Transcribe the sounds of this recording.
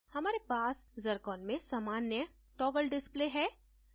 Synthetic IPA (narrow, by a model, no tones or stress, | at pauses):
hɐmaːɾepaːszɐɾkɔːnmẽsaːmaːnjə | ʈɔːʋəlɖɪspleːɦɛː